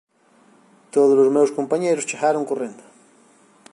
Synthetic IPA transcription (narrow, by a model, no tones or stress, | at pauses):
t̪oðolozmewskompaɲejɾost͡ʃexaɾoŋkorẽnd̪o̥